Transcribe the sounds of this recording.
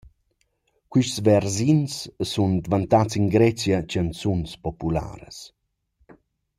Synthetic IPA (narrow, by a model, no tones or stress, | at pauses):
kwiʃsvɛɾzinssund̪vant̪at͡siŋɡɾɛt͡sjat͡ʃənsunspɔpula̰ɾə̰s